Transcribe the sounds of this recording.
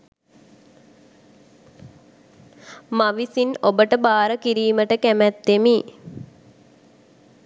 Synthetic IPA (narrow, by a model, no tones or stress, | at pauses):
maʋisinobəʈəbaːɾəkiɾiːməʈəkæmæt̪ːemi